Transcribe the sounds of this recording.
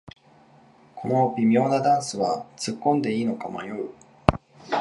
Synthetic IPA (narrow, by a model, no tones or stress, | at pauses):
kʰo̞no̞bʲimʲjo̞ːnad̪ãɰ̃sɨβat͡sɨkːõ̞nd̪e̞iːno̞kama̰jo̞ɯ̟